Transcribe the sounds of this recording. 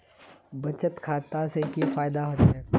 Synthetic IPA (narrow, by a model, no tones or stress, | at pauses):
bɐt͡ʃət̪kʰaːt̪asekifaːjd̪aɦoːt̪ɦɛː